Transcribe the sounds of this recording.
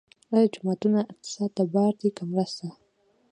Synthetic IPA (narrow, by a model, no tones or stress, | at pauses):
ajad͡ʒʊmat̪unaɪq̚t̪ɪ̥sɑd̪̚d̪abɑɾd̪ekamɾast̪a